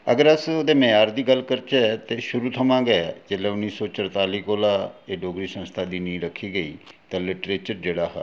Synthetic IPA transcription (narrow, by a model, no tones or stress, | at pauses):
əɡəɾəsod̪eːmeaːɾd̪iːɡəlkəɾt͡ʃɛt̪eːʃʊɾuːt̪ʰəmãːɡeɛd͡ʒeːlɛːʊnːiːsɔːt͡ʃəɾt̪aːliːkoːlaːeːɖoːɡɾiːsə̃nst̪ʰaːd̪iːnĩːɾəkʰːiːɡəḭːt̪ãːlɪʈɾeːt͡ʃəɾd͡ʒeːɽaːɦɛ̰ː